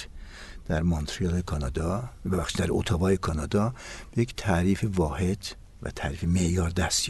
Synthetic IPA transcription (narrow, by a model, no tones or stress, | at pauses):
d̪̥æɾmont̪ʰɾijɑlekʰɒnɑd̪ɒbebæxʃiːd̪d̪æɾot̪ʰɒbɒːjekʰɒːnɒːd̪ɒːb̥ejekt̪ʰæɾiːfevɒːhe̞d̪̥ | væ̰t̪ʰæɾiːfemeʔjɒːɾd̪æst̪